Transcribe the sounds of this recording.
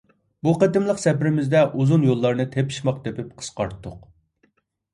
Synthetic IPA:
buqət̪ɪmlˠəqsɛpɾɪmɪzd̪ɛʔuzunjolˠːɑɾnɨt̪ʰepʰi̥ʃmɑq̚d̪epɪp̚qʰə̥sqɑɾt̪ʰːʊq

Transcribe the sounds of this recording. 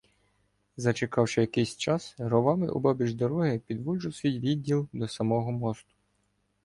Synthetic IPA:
zɐt͡ʃekɑwʃɪjɐkɪjsʲt͡ʃɑsɾɔʋɑmɪ̰ʔɔ̰bɑbʲiʒd̪ɔɾɔɦɪpʲid̪ʋulʲʒʊwsʲʋʲijʋʲid̪ʲːilˠd̪ɔsɐmɔɦɔmɔst̪ʊ̥

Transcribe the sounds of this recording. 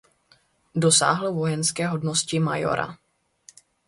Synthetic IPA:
do̞sa̰ːɦlvo̞jɛnskɛːɦo̞dnoscɪmajo̰ɾʔa̰

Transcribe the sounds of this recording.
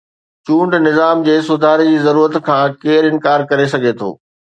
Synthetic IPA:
t͡ɕũːɳɖnɪzaːmd͡ʑeːs̬ʊd̪ʱaːɾed͡ʑiːzɐɾuːɾət̪kʰãːkeːɾɪ̃nkaːɾkɐɾes̬ɐɡʱet̪ʰo̰ː

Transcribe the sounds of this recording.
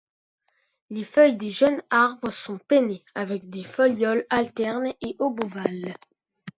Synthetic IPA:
lefœjd̪eʒənaʁbʁəsɔ̃peneavɛk̚d̪efɔljɔlalt̪ɛʁneʔoboval

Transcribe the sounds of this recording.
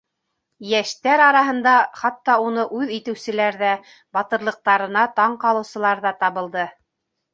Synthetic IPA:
jæʃt̪æɾɑɾɑɦɤ̆nd̪ɑχɑt̪ːɑunɤʔʉðit̪ɘ̆wsɘ̆læɾðæ | bɑt̪ɤ̆ɾlˠɤ̆q̚t̪ɑɾɤ̆nɑt̪ɑɴqɑlˠɤ̆wsɤ̆lˠɑɾðɑt̪ɑβɤ̆lˠd̪ɤ

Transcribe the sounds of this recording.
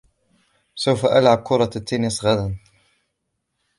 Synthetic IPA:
sawfaʔalʕab̚kʊɾˤɑt̪ːeːnɪsɣad̪an

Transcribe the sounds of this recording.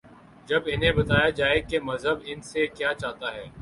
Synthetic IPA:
d͡ʒɐbɪnɦẽbɐt̪aːjad͡ʒaːekemɐzɦəbɪnsekjaːt͡ʃaːt̪aɦɛː

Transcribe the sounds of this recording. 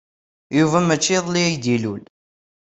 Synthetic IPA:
juvæmæt͡ʃːiðˤliæjd̪ilul

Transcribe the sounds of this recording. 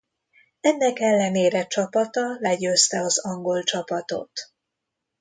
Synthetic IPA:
ɛnːɛkɛlːɛneːɾɛt͡ʃɒpɒt̪ɒlɛɟøːst̪ɛɒzɒŋɡo̞lt͡ʃɒpɒt̪o̞̰t̪

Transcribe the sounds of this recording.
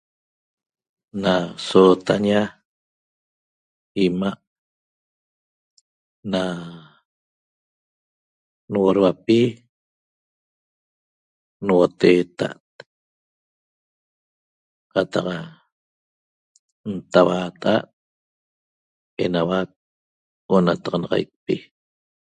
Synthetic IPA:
nasot̪aɲa | imaʔ | na | nwoɾwapi | nwot̪eːt̪a̰ʔt̪̚ | qɑt̪ɑqa | nt̪awaːt̪ʔa̰ʔ | enawak̚ | onat̪ɑʁɑnɑʁɑ̰jk̚pi

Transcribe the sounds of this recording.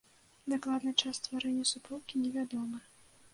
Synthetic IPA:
d̪aklˠad̪nɨt͡ʂast̪vaɾɛnʲːɐsupɔwkʲinʲɛvʲad̪ɔmɨ

